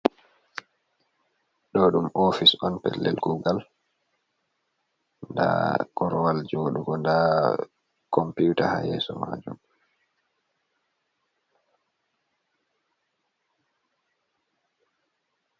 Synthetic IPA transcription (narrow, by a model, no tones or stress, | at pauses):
ɗɔɗumofisɔnpɛ̰lːɛ̰lɡuːɡal | nda̰kɔɾwald͡ʒoɗuɡɔnda | kɔmpuːtaha̰jɛ̰ːsɔma̰d͡ʒum